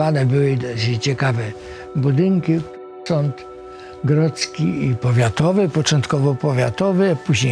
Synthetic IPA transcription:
ad̪ɛbɘwɘd̪ɔt͡ɕɛkavɛ | bud̪ɪŋkʲi | sɔnt̪ | ɡɾɔt̪skʲḭipɔvʲjat̪ɔvɘpɔt͡ʂɔ̃nt̪kɔvɔpɔvʲjat̪ɔvɘpuʑɲe

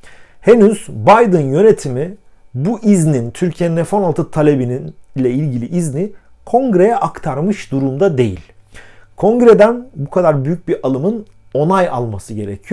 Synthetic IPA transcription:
he̞nyz̥bajd̪ɯnjø̞ne̞t̪ʰimi | buʔiznint̪ʰyɾcʰijeninɛfo̞nalˠt̪ʰɯt̪ʰalʲe̞bininlʲɛilʲɟilʲiʔizni | kʰo̞ŋɡɾe̞jɛʔakt̪ʰaɾmɯʃd̪uɾumd̪ad̪e̞̰jḭlʲkʰo̞ŋɡɾed̪ænbukʰad̪aɾbyjyc̚biɾʔalˠɯmɯn | o̞naja̰lˠmasɯɟe̞ɾecʰijo

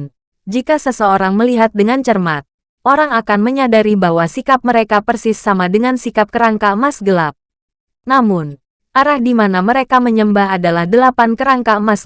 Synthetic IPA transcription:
n | d͡ʒikasəsəoɾaŋməliɦat̪̚dəŋant͡ʃərmat̪̚ | ʔoɾaŋakanməɲadaɾibawasikap̚məɾekapərsɪsːamadəŋansikap̚kəɾaŋkamasɡəlap̚ | namʊn | ʔaɾahdimanaməɾekaməɲəmbaɦadalahdəlapankəɾaŋkamas

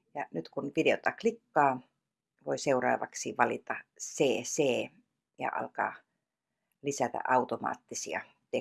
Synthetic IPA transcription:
jɑnyt̪kunʋiteot̪ːɑklikːɑː | ʋoiseurɑ̰ːʋɑ̰ksiʋɑlit̪ɑseːseː | jɑ̰ʔɑ̰lkɑ̰ː | lisæt̪æ̰ʔɑut̪omɑ̰ːt̪ːisiɑ̰ | t̪e

